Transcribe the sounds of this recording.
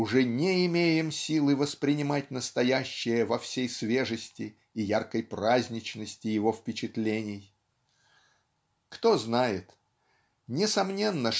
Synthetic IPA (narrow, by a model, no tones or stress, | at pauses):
ʊʐɛnʲeɪmʲejɪmsʲilˠɨvəspɾʲɪnʲɪmatʲnəst̪ɐjæɕːɪjəvɐfsʲejsvʲe̞ʐəsʲtʲɪː | jarkəjprazʲnʲɪt͡ɕnəsʲtʲɪjɪvo̞fpʲɪt͡ɕɪt̪lʲenʲɪj | kt̪o̞znajɪt̪ | nʲɪsɐmnʲe̞nːə